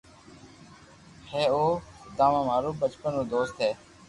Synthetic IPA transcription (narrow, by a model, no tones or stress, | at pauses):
heːoːd̪ãːʋãːmaːɾuːbət͡ʃpənõːd̪oːst̪ʰeː